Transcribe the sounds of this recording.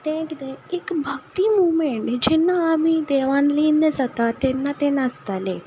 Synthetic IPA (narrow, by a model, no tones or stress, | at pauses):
t̪eɛ̃kit̪ɛ̃ekbʱəkt̪imuʋmeɳʈd͡ʑɛnːaːmid̪ɛʋãnlinːəd͡zat̪at̪ɛnːat̪ɛ̃nast̪ale